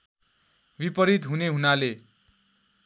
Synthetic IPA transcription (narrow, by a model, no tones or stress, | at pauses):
bipʌɾit̪ɦuneɦunale